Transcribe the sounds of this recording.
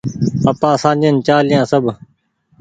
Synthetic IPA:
əpãːsãːd͡ʒeːnt͡ʃaːlɪjãːsəbʱ

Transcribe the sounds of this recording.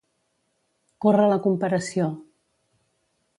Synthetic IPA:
korələkumpəɾəsio

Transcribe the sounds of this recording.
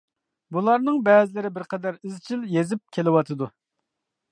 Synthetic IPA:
bulˠɑɾnɨŋbɛːzɪlɪɾɪbɪɾqʰɛd̪æɾizt͡ʃʰiljezɪp̚kʲʰelɪwɑt̪ʰɨd̪u

